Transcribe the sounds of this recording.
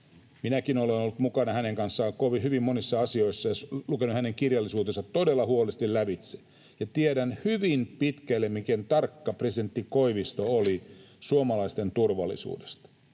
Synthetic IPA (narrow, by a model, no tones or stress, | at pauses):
minækino̞lenolːut̪mukɑnɑhæneŋkɑnsːɑːŋkoʋihyʋimːonisːɑɑsio̞isːɑjɑlukenuhæne̞ŋkirjɑlːisuːt̪e̞nsɑt̪ːo̞delːɑhuolest̪illæʋit̪se̥ | jɑt̪iedænhyʋimpit̪kælːemmikent̪ɑrkːɑpresident̪ːiko̞iʋist̪ooli | suomɑlɑist̪e̞nt̪urʋɑlːˑḭsṵːdest̪ɑ̥